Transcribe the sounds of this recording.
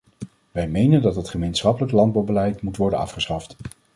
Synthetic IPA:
ʋɛjmejnəndɑtɦətχəmejnsχɑpələklɑnd̚bɑwbəlɛjtmutʋɔɹdənɑ̰fχəsχɑft

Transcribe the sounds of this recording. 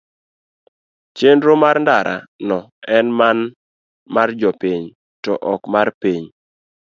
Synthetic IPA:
t͡ʃendɾomaɾndaɾʔa̰nɔɛnman | mard͡ʒɔpiɲ | tɔʔɔkmarpiɲ

